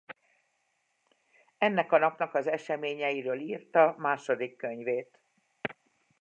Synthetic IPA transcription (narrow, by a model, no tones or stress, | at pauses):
ɛnːɛkɒnɒpnɒkɒzɛʃɛmeːɲɛjiɾøːliːrt̪ɒmaːʃo̞d̪ikːøɲveːt̪